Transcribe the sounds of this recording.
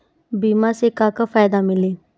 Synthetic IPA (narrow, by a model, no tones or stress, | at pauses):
bimasekakafajd̪amile